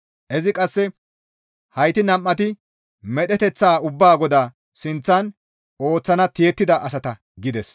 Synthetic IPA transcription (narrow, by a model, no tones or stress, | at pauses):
ʔɛzɪkʼɐsːɛ | hɐjt̪ɪnɐmʔːɐt̪ɪ | mɛɗ̪ɛt̪ɛt͡sːaːʊbːaːɡɔd̪aː | sɪnt͡sːɐn | o̞ːt͡sːɐnɐt̪ɪjɛt̪ːɪd̪ɐʔɐsɐt̪ɐ | ɡɪd̪ɛs